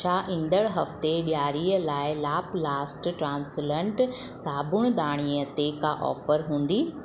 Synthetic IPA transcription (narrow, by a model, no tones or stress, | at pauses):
aʔĩn̆d̪əɽɦɐft̪eɓjaːɾiːəlaːɪlaːplaːsʈʈɾãːnslə̃ɳʈsaːbʱʊɽ̃ɗ̪aːɽ̃iət̪ekaʔɔ̰ːfəɾɦũːn̆d̪iː